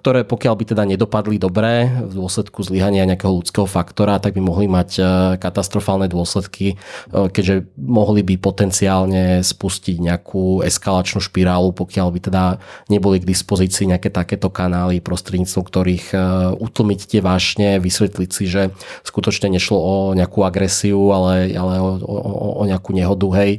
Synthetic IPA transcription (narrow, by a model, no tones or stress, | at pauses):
k̚t̪ɔɾɛːpɔkɪaʎbit̪ɛd̪aɲɛd̪ɔpad̪lid̪ɔbɾɛːvd̪ʊɔslɛt̪kuzliɦaɲɪaɲɛakɛɦɔlut͡skɛːɦɔfakt̪ɔɾat̪aɡ̚bimɔɦlimackat̪ast̪ɾɔfaːlnɛd̪ʊɔslɛt̪kʰikɛɟʒɛmɔɦlibipɔt̪ɛnt͡siaːlɲɛspusciɟɲɛakʰuːɛ̰skalat͡ʃnuːʃpiɾaːlupɔkɪaʎbit̪ɛd̪aɲɛbɔliɡd̪ispɔziːt͡siːɲɛakɛːt̪akɛːt̪ɔkanaːlipɾɔst̪ɾɛd̪ɲiːt͡st̪ʋɔʊk̚t̪ɔɾiːxut̪l̩ˠmict̪ɪɛʋaːʒɲɛʋisʋɛt̪licsiʒɛskut̪ɔt͡ʃɲɛɲɛʃlɔɔɲɛakuaɡɾɛsiualɛa̰lɛɔ̰ɔɲɛakuɲɛɦɔd̪uɦɛj